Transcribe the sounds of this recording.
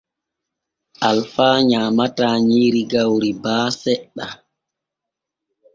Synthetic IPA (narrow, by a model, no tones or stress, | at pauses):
ʔalfaːɲaːmataːɲiːɾiɡawɾibaːsɛɗːa